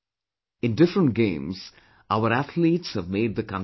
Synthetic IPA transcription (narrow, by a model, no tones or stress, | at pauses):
ɪ̃nɖɪfɾə̃ɳʈ̚ɡẽːmz̥ | aʊəɾæt̪ʰliːʈshəʋmeːɖ̚d̪əkãn